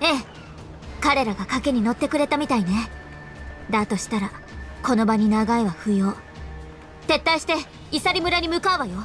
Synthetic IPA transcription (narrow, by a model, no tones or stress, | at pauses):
e̞ː | kaɾe̞ɾaɡakake̞ɲ̟ino̞t̪ːe̞kɯ̟ɾe̞t̪amʲit̪aine̞ | d̪at̪o̞ɕi̥t̪aɾako̞no̞baɲ̟inaɡaeβaɸɯ̟jo̞ː | t̪e̞t̪ːaiɕi̥t̪e̞ | isaɾʲimɯ̟ɾaɲ̟imɯ̟kaɯβajo̞